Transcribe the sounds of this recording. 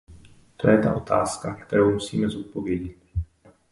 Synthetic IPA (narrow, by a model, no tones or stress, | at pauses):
t̪o̞jɛt̪a̰ʔo̞t̪ʰa̰ːskakt̪ɛɾowmusḭːmɛzot̪̚po̞vjɛɟɪt̪̚